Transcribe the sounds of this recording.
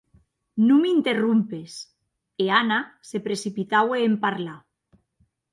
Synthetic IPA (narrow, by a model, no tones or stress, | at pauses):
nũmint̪erumpes | eanasepɾesipit̪aweːmpaɾla